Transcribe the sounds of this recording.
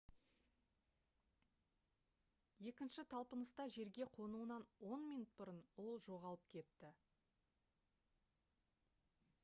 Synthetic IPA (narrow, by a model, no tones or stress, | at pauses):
je̞kʲɪnʃɪt̪ʰɑlˠpənəst̪ɑʒe̞ɾɡʲe̞qʰo̞nuənɑnwo̞nmijnut̪̚bʊɾənwo̞lˠʒo̞ʁɑlˠəp̚kʲʰe̞t̪ːɪ